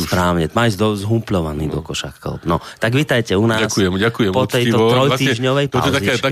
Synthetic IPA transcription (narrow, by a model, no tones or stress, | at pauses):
pɾaːʊɲɛt̪maːizd̪ɔzɦumplɔʋanḭːd̪ɔkɔʃa̰kkɔ̰lpnɔt̪aɡʋit̪ajcɛunaasujɛmɟakujɛpɔt̪ɛj̪ɔt̪ɾɾɔjt̪iːʒɲɔʋɛjpa̰azia